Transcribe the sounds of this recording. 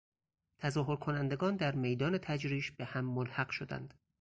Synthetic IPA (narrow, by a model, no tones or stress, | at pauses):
t̪ʰæzɒːɦo̞ɾkʰo̞nænd̪e̞ɡɒːnd̪æɾme̞jd̪ɒːne̞t̪ʰæd͡ʒɾiːʃb̥ehæmːolhæɢʃo̞d̪æ̰nd̪̥